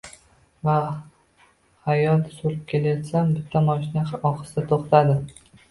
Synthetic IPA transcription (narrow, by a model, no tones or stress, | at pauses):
va | hajɒld̪soɾɪp̚kʲʰe̞lajɒt̪sambɪt̪ʰːamɒʃɪnaɒqʰɨ̥sɪd̪at̪ʰoχt̪ʰad̪ɪ